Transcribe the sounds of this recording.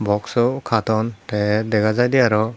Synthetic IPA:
bɔksɔkʰat̪ɔntɛd̪ɛɡazajd̪ɛjaɾɔ

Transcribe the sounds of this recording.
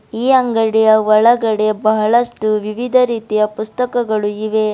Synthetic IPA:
iːɐŋɡɐɽijɐʋɐɭɐɡɐɽebɐɦɐɭɐsʈuʋiʋid̪ʱɐɾiːt̪ijɐpust̪ɐkɐɡɐɭuiʋe̞

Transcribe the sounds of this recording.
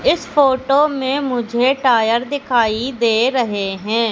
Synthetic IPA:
ɪsfoːʈoːmẽmʊd͡ʒʱeʈaːjəɾd̪ɪkʰaːid̪eːɾɐɦeɦɛ̃ː

